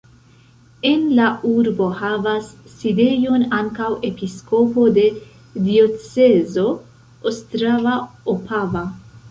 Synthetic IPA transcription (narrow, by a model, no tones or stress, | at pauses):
e̞nlaʔuɾbo̞havasːide̞jo̞naŋkawe̞pisko̞po̞de̞ | dio̞t͡se̞zo̞ | ostɾavaopʰava